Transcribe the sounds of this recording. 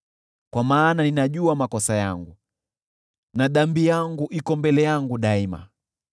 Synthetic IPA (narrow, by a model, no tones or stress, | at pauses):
kwamaːnaninaʄuamakɔsajaŋɡu | naɗambijaŋɡuʔikɔmbɛlɛjaŋɡuɗaima̰